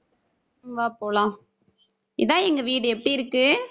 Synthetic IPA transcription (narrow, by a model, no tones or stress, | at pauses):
mʋaːpoːlãː | ɪðãːɛŋɡɐʋiːɽɯɛpːɐɽiɪɾɯkːɯ